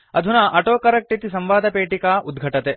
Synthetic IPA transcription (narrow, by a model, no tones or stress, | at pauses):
ɐd̪ʱunɐʔɐʈoːkɐɾɐk̚ʈit̪isɐmʋaːd̪ʱɐpeːʈikaːʔud̪ɡʱɐʈɐt̪e